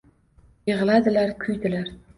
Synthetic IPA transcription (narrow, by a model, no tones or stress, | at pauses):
jɨʁlˠad̪ɪlaɾkʲʰʊjd̪ɪlaɾ